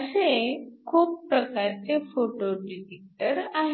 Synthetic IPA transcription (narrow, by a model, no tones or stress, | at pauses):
əsekʰuːpːɾəkaɾt͡sefoʈoɖiɾek̚ʈəɾaɦe